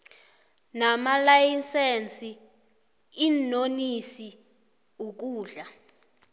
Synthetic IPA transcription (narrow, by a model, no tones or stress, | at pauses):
namalajisent͡sʼi | inonisi | uk̬uːɮa